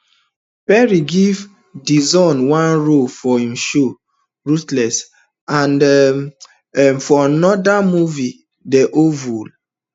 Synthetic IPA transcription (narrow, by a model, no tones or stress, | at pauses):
pɛɹiɡiv | dizɔ̃nwãnɹofɔhĩmʃo | ɹutlɛs | ãnd | ɛmfɔanɔdamuvi | dɛʔovul